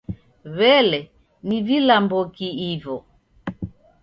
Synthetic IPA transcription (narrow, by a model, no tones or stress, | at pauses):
βɛlɛ | nivilambɔkiivɔ